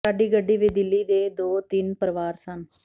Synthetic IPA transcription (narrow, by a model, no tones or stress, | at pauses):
aːɖiːɡəɖːiːʋɪːd̪ɪlːiːd̪eːd̪oːt̪ɪnpəɾʋaːɾsən